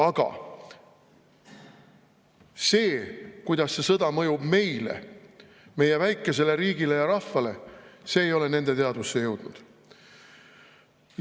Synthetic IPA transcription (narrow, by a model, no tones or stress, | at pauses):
ɑɡ̥ɑ̰ | se̞ːkujd̪̥ɑsːe̞sɤd̪̥ɑmɤjubme̞jle̞̰ | me̞je̞væjkːˑe̞se̞le̞ɾiːɡile̞jɑɾɑfvɑle̞se̞ːjo̞le̞ne̞nd̪̥e̞t̪e̞ɑd̪usːejɤwd̪̥nud̪̥